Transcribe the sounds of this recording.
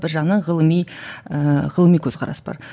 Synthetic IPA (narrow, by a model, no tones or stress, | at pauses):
bɪɾʒɑʁənɑɴʁəlˠəmijəʁəlˠəmijkʲʰɵzqʰɑɾɑ̰səbɑ̰ɾ